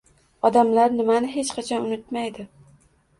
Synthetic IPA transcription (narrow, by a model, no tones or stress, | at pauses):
ɒd̪amlaɾnɪmanɪɦe̞t͡ʃqʰɑt͡ʃʰɒnʊnɪt̪majd̪ɪ